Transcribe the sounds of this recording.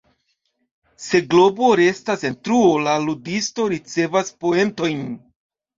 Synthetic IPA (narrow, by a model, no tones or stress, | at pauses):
se̞ɡlo̞bo̞ɾe̞stase̞ntɾuolaludisto̞ɾit͡se̞vaspo̞e̞nto̞jn